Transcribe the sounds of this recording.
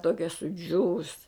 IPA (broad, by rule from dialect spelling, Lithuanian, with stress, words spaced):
ˈtoːkʲɛ sʊˈd͡ʒʲuːʋʊs